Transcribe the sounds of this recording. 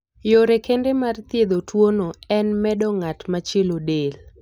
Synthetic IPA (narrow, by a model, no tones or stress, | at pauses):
joɾekendemart̪jed̪otwonoɛnmɛdɔŋatmat͡ʃelodel